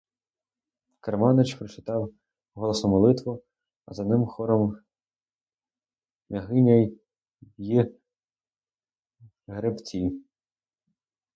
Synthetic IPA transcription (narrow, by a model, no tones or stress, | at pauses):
kɐɾmɑnɪt͡ʃpɾɔt͡ʃɪt̪ɑw | ɦɔlˠɔsɔmɔlˠɪt̪ʋɔ | ɐzɐnɪmxɔɾɔm | mʲɐɦɪmʲɐj | ji | ɦɾept͡sʲi